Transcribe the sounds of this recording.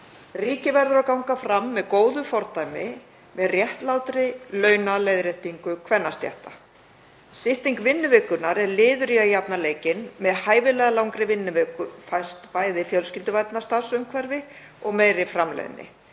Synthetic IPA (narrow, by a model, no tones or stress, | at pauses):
riːcɪvɛɾðʏɾawkawŋkafɾamːɛðkoːwðʏfɔɾt̪ajmɪ | mɛðrjɛht̪lawt̪ɾɪlœːɥnalejðɾɛht̪iŋkʏkʰvɛnːast̪ja̰ht̪a | st̪ɪht̪iŋkvɪnːʏvɪːkʏnaɾɛɾlɪːðʏɾiaijapnaleːjcɪnmɛðhaːjvɪlɛːɣalawŋkɾɪvɪnːɪvɛːkʏfajst̪paːjðɪfjœlscɪlt̪ʏvajt̪nast̪asʏmkʰvɛɾvɪ | ɔɣmeːjɾɪfɾamlɛ̰ð̰nːɪ̰